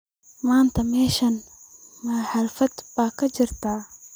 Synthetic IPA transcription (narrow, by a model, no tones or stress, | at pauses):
mant̪ɐmeʃɐnmaħaɾfɐt̪baːkad͡ʒiɾt̪aː